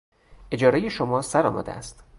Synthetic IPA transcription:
ʔe̞d͡ʒɒːɾejeʃomɒːsæɾɒ̰ːmʔɒ̰d̪ḛʔæ̰st̪

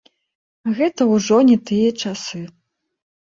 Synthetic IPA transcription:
ɣɛt̪ɐwʐɔnʲɛt̪ɨjɐt͡ʂasɨ

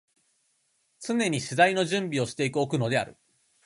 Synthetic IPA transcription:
t͡sɨne̞ɲ̟iɕizaino̞ʑɨ̃mbʲio̞ɕi̥t̪e̞ikɯ̟okɯ̟no̞d̪e̞a̰ɾɯ̟

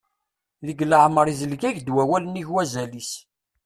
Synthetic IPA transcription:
ðəɡləʕməɾˤizəlɡæʝd̪wæwæləniçwæzælis

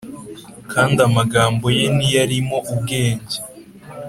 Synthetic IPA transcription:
kʰaːndamaɡaːmbo̞je̞nijaɾimo̞ʔub̚ɡe̞ːɲɟe

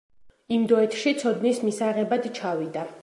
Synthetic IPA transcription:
imd̪ɔɛt̪ʰʃit̪sʰɔd̪nismisaʁɛbad̪t͡ʃʰavid̪a

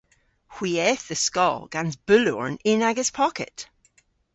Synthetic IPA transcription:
hw̥iɛθðəskɔ̰lˠɡ̥anzb̥ʉlˠɔ̰ɹnɪnaɡəz̥pʰɔkʰɪ̰ʔ

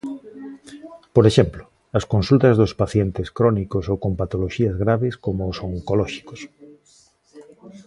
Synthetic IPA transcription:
poɾeʃemplo | ɐskonsult̪ɐzðʊspaθjent̪ɪskɾɔnikosokompat̪oloʃiɐzɣɾaβeskomoːsoŋŋkolɔʃi̥ko̥s

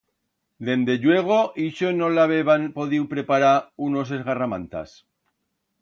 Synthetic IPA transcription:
d̪e̞nd̪e̞ʎwe̞ɣ̞o̞ʔiʃono̞laβeβanpo̞ðiwpɾe̞paɾauno̞s̬e̞zɣaramã̰nt̪a̰s

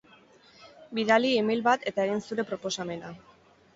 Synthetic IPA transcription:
biðaliimijlβat̪e̞t̪ae̞ɣinsuɾe̞pɾo̞po̞same̞na

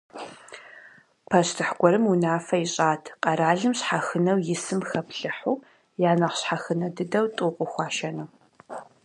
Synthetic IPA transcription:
pʰɐɕtʰɨħɡʷɔɾɨmunaːfɐɪɕʼaːtʰqʼɐɾaːɮɨmɕħaxɨnɐwjɪsɨmxɐpʰɬɨħuː | jaːnɐχɕħaxɨnɐdɨdɐwtʼʊqʷʼʊxʷɑːʃɐnɨ

